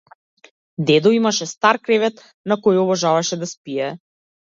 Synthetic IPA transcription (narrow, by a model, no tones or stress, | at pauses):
d̪ɛd̪ɔimaʃɛst̪aɾkɾɛvɛt̪ | nakɔjɔbɔʒavaʃɛd̪aspijɛ